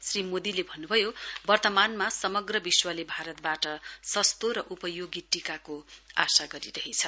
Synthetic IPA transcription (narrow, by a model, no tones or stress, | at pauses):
srimod̪ilebʱʌnːubʱʌjobʌrt̪ʌmanmasʌmʌɡrʌbiswalebʱaɾʌt̪̚baʈʌsʌst̪oɾʌʔupʌjoɡiʈikakoa̰saɡʌɾiɾʌɦit͡sʰʌ